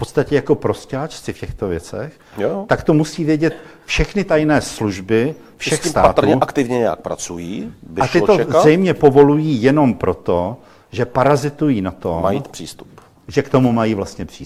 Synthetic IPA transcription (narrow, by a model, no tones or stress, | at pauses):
fpo̞tt͡sst̪acɛjako̞pɾo̞scaːt͡ʃt͡sɪfcɛxt̪o̞vjɛt͡sɛ̰x | jt̪akt̪o̞musiːvjɛɟɛt̪fʃɛxnɪt̪ajnɛːsluʒbɪ | fʃɛxismt̪a̰aːt̪ɾɲɛʔakt̪ɪvɲɛɲɛja̰k̚pɾa̰t͡sujiːbɪat̪ɪot̪ozɛjmɲɛpo̞vo̞lujiːjɛno̞mpɾo̞t̪o | ʒɛpaɾazɪt̪ujiːnat̪omajit̪pr̥iːst̪u̥p | ʒɛkt̪o̞mumajiːvlast̪ɲɛpr̝̥iːs